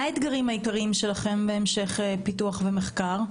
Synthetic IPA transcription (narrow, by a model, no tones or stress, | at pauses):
aet̪ɡaʁimhaikaʁiimʃe̞laχembeemʃe̞χepituaχvemeχkaʁ